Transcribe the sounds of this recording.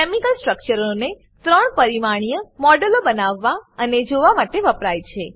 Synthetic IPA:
kemikəlsʈɾək̚t͡ʃəɾone | t̪ɾəɳpəɾimaɽ̃ijəmɔɖəlobənaʋːaəned͡ʒoʋamaʈeʋəpɾajt͡ʃʰe

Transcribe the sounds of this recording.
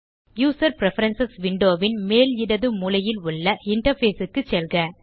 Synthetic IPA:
juːsɐɾpɪɾɛfɐɾɐnsɐsʋɪɳɖoːʋɪnmeːlɪɽɐðɯmuːlɐjɪlʊɭːɐɪɳʈɐɾfeːsɯkːɯt͡ʃːɛlɣɐ

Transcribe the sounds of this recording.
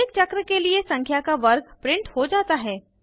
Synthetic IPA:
eːkt͡ʃɐkɾəkeliesɐ̃ŋkʰjakaʋɐɾɡpɾɪ̃ɳʈhod͡ʒaːt̪aɦɛː

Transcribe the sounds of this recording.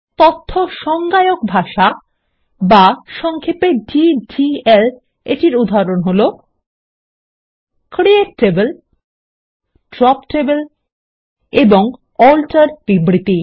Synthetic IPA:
t̪ot̪ʰːoʃɔŋɡajok̚bʱaʃa | baʃɔŋkʰepeɖid͡ʒiel | eʈiɾud̪ʱaɾonɦolo | kɾieʈʈːebel | ɖɾɔpʈebel | eboŋ | ɔlʈaɾbibɾit̪i

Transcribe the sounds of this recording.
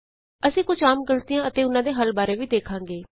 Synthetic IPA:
əsĩːkʊd͡ʒaːmɡəlt̪ɪjãːət̪eːʊnãːd̪eːɦəlbaːɾeːʋiːd̪eːkʰãːŋɡeː

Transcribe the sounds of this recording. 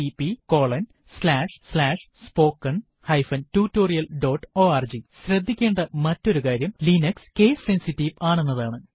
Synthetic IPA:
ipiko̞ːɭɐn | slaːʂslaːʂspo̞ːkːɐɳ | hɐjfɐntuːtːo̞ːrijɐlɖo̞ːʈːo̞ːard͡ʑiɕɾɐd̪ʱːikʲːe̞ːɳɖɐmɐtːo̞ɾukaːɾjɐmlinɐkske̞ːsːe̞nsitːiʋaːɳuenːɐðaːɳɨ

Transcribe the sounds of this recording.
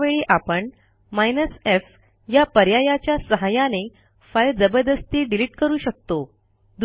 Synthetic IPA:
ʋeɭiːʔapəɳ | majnəsef | japəɾjajat͡ɕjasəɦajane | fajld͡zəbəɾd̪əst̪iːɖiliʈkəɾuːɕək̚t̪o | d̪

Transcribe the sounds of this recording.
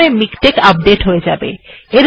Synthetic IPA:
emikʈekap̚ɖeʈɦoed͡ʑabḛeɾ

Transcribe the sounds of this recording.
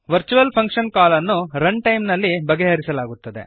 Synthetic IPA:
ʋɐɾt͡ʃuʋɐlpʰɐŋkʂɐnkaːlɐnːuɾɐɳɖʈɐjmnɐlːibɐɡeɦɐɾisɐlaːɡut̪ːɐd̪e̞̰

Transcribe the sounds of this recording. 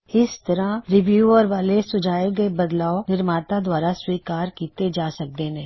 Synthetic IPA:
ɪst̪ɐɾãɾɪʋjuːəɾʋaːlesʊd͡ʒʱaːeɡɐebɐd̪laːonɪɾmaːt̪ad̪waːɾaswiːkaːɾkiːt̪ed͡ʒaːsɐk̚d̪eːnẽː

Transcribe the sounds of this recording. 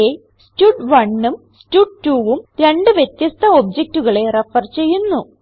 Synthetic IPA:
e | stuɖʋɐɳːum | stuɖ̚ʈːuːʋumɾe̞ɳɖɨʋjet̪jɐst̪ʰɐo̞b̚d͡ʑek̚tuɣɐɭe̞refɐrt͡ɕe̞jːunːu

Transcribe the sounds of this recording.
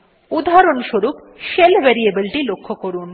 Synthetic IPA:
ud̪ʱaɾonʃoɾup | ʃelbɛɾiebilʈilokʰːokoɾun

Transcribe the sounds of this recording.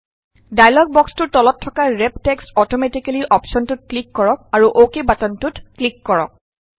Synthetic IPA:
dajlɔɡ̚bɔkstʊtɔlɔtʰːɔkaɹɛb̚tekstɔtɔmetikaliʔɔpsɔntʊt̚klikːɔɹɔk̚aɹuʔokebatɔntutklikːɔɹɔ̰k̚

